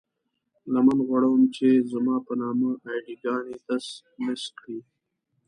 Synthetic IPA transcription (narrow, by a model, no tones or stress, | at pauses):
lamanɣwaɽawmt͡ʃezəmɑːpənɑːmaajɖiɡɑːnit̪as | mɪskɽi